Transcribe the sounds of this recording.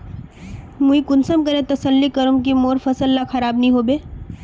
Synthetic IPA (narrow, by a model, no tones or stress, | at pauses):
muikʊnsəmkəɾẽt̪ɐsəlːikɐɾumk̬imoːɾfɐsəlːaxʰɐɾaːbnĩɦoːbeː